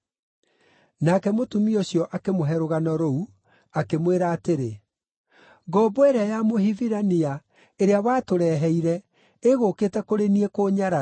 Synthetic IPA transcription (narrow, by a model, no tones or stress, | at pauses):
nakɛmotumioɕjɔʔakemoɦɛɾoɣanɔɾɔu | akemweɾaːteɾe | ɡɔbɔɛɾajamoɦiviɾania | eɾeawaːtoɾɛːɦɛiɾɛ | eɣoːkeːtɛkoɾeniɛkoːɲaɾa